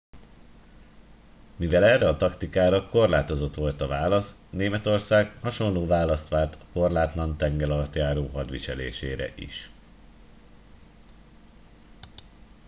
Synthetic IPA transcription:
mivɛlɛrɛɒt̪ɒkt̪ikaːɾɒko̞rlaːt̪o̞zo̞t̪ʋo̞lt̪ɒvaːlɒs | neːmɛt̪o̞rsaːɡhɒʃo̞nloːvaːlɒst̪ʋaːlt̪ʰɒ̥ko̞rlaːt̪lɒnt̪ɛŋɡɛlɒlɒt̪jaːɾoːɦɒd̪ʋḭʃɛlḛːʃḛːɾɛ̰ʔḭʃ

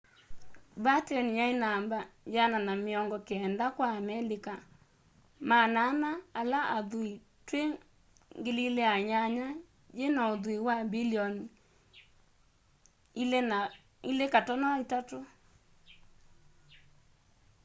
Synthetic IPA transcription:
batɔnjainambajananameɔŋɡɔkeɛndakwaːmɛlika | mananaalaaðui | twe | ŋɡelileaɲaɲa | jenaoðuiwabiliɔni | ilekatɔnaitato

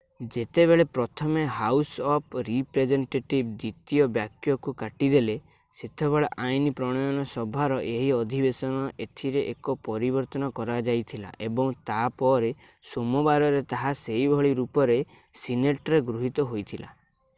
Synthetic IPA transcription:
d͡ʒet̪eβeɭepɾɔt̪ʰɔmeɦawsɔpʰɾipɾed͡ʒeɳʈeʈib̚d̪it̪ijɔbjakjɔkukaʈid̪ele | set̪ʰebeɭeʔainipɾɔɽ̃ɔjɔnɔsɔbʱaɾɔʔeɦiɔd̪ʱibesɔnɔʔet̪ʰiɾeʔekɔpɔɾibɔɾt̪ɔnɔkɔɾad͡ʒajt̪ʰila̰ʔebɔŋt̪apɔɾe | somɔbaɾɔɾet̪aɦaseibʱɔɭiɾupɔɾe | sineʈɔɾeɡɾuɦit̪ɔɦojt̪ʰila̰

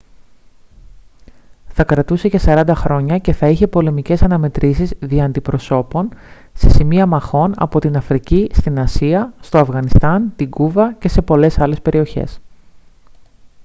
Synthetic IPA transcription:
θɐkɾɐt̪use̞ce̞sɐɾɐnd̪ɐxɾo̞ɲɐce̞θɐiçe̞po̞le̞mice̞sɐnɐme̞t̪ɾʔisizðiɐːnd̪ipɾo̞so̞po̞n | se̞simiɐmɐxo̞nɐ̰po̞t̪inɐfɾicist̪inɐsiɐst̪o̞ɐfɣɐnist̪ɐnt̪iɡuvɐce̞se̞po̞le̞sɐle̞spe̞ɾio̞çe̞̰s

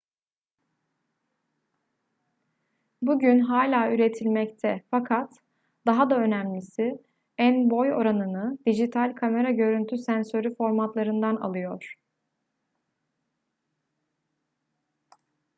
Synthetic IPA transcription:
buɟynɦaːlʲaːyɾet̪ʰilʲmɛct̪ʰɛfakʰat̪ | d̪̥aɦad̪aø̞næmlʲisi | ænbo̞jo̞̰ɾanɯnɯd̪̥id͡ʒit̪ʰalʲkʰame̞ɾaɟø̞ɾynt̪ʰysænsø̞ɾyfo̞ɾmat̪lˠaɾɯnd̪ana̰lˠɯjo̞ɾ̥

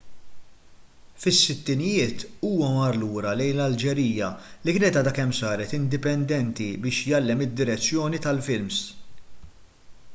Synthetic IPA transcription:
fɪsːɪt̪ːɪnɪjɪːt̪uːwɐmɐɾluːɾɐlɛjnlɐld͡ʒɛɾiːjɐlikɪːnɛt̪ɐd̪ɐkɛmsɐːɾɛt̪ɪnd̪ɪpɛnd̪ɛnt̪ibɪːʃjɐlːɛmɪd̪ːɪɾɛt͡sːjɔːnit̪ɐlfɪlms

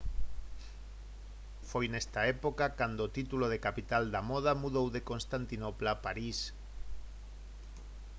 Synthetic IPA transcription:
fojnest̪aepokakand̪ot̪it̪uloðekapit̪ald̪amoð̞amuðowðekonst̪ant̪inoplapaɾis

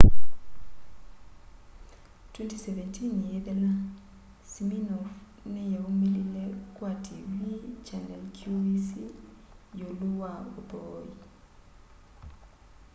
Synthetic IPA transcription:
tʰwentʰisɛvɛntʰʼinjɛdɛla | siminɔf | nɛjawumililɛk̬ʼwatʰiwit͡ʃanɛlkʰjuisi | joluwaubɔːji

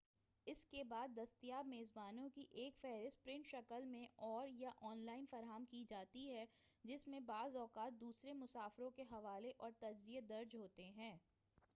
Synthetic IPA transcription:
ɪskebaːd̪ːɐst̪ijaːbmeːzbaːnõkiʔeːkfɛɦɾɪst̪̚pɾɪ̃ɳʈʃɐkəlmẽɔːɾjaʔɔːnlaːɪnfɐɾɦamkid͡ʒaːt̪iɦɛd͡ʒɪsmẽbaːzɔːkaːt̪̚d̪uːsɾemʊsaːfɾõkeɦɐʋaːleʔɔːɾt̪ɐɾzijed̪ɐɾd͡ʒɦoːt̪eɦɛ̃ː

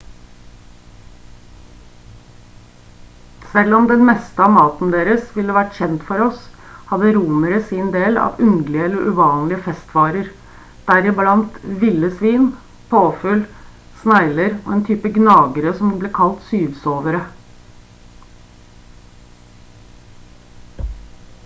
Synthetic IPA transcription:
sɛlɔmd̪ɛnmɛst̪əɑːmɑːt̪n̩d̪eːɾəsʋɪləʋæʈçɛnt̪fɔɾɔs | hɑd̪əɾuːnəɾəsɪnd̪eːlɑ̰ːʋʉnd̪lɪəɛləɾʔʉʋɑːnlɪəfɛst̪ʋɑːɾəɾ | d̪̥æɾɪblɑnt̪ʋɪlːəsʋiːn | pʰoːfʉl | snæɪləɾo̰ːeːnt̪ʰyːpəɡnɑːɡəɾəsɔmbleːkʰɑlt̪syːʋsoːʋəɾə

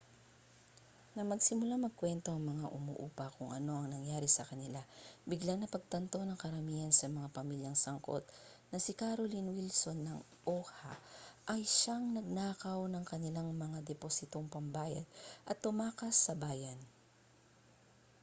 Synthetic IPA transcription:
nɐŋmɐɡsɪmʊlamɐɡ̚kwɛnt̪o̞ɐŋmɐŋaʔʊmṵʔuːpɐkʊŋʔɐ̰no̞ʔɐŋnɐŋjaːɾɪsɐkɐnɪlabɪɡlaŋnɐpɐɡ̚t̪ɐnt̪o̞nɐŋkɐɾɐmiːhɐnsɐmɐŋapɐmiljɐŋsɐŋko̞̰t̪ | nɐsɪkaɾolinwilso̞nːɐŋ | ʔoːha̰ʔɐjʃaŋnɐɡ̚naːkɐwnɐŋkɐnɪlaŋmɐŋad̪ɛposɪt̪o̞ŋpɐmbaːjɐ̰d̪̚ʔɐt̪ːʊmaːkɐsːɐbaːjɐn

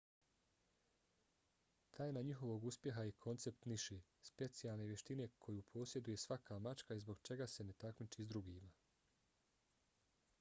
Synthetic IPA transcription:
t̪ʰaːjenaɲixo̞ʋo̞ɡuspje̞ɦajikʰo̞nt̪se̞pt̪niʃeːspe̞t̪sijalˠne̞ʋjeʃt̪ine̞kʰo̞jupʰo̞ːsje̞d̪uje̞sʋakʰaːmat͡ʃkaizbo̞ɡt͡ʃe̞ɡase̞ne̞t̪akmit͡ʃizd̪ɾuɡiːma

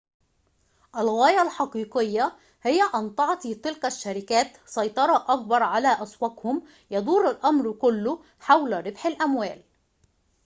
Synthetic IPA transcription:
ʔælɣæːjælħɑqiːqɪjːa | hɪjːæʔɑnt̪ˤɑʕt̪it̪ɪlkæʃːæɾɪkæːt̪sˤɑjt̪ˤɑɾˤɑʔɑk̚bɑɾˤʕalæːʔæswækhʊm | jɑd̪ˤuːɾˤalʔɑmɾkʊlːʊ | ħawlɾɪbħalʔæmwæːl

